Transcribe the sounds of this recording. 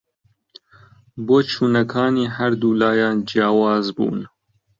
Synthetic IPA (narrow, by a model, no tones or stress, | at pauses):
boːt͡ʃʰuːnɐkʰɑːniːhaɾd̪uːlɑːjɑːnd͡ʒijɑːwɑːzbṵːn